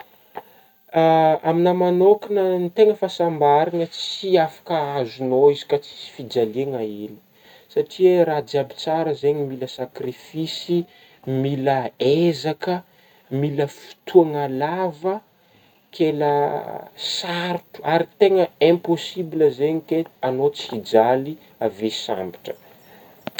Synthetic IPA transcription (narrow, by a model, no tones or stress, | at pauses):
aminəmanokinənit̪eŋəfasambaɾaŋət͡siafḁkəazunoizi̥kat͡si̥si̥fid͡zaleŋaili̥ | saʈ͡ʂʰieɾad͡ziabi̥t͡saɾəzeɲimiləsakrifisi | miləezakə | miləfi̥t̪ʰuaŋalavə | kʰelə | saɾtu̥aɾit̪eŋəɛ̃posibiləzeɲikeanot͡sid͡zali | avesa̰mbi̥ʈ͡ʂə̥